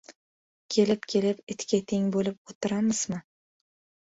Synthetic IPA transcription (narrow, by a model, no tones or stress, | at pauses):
kʲʰe̞lɪpkʲʰe̞lɪpɪt̪kʲat̪ʰe̞ŋbolɪp̚ot̪ʰɪɾamɪz̥mɪ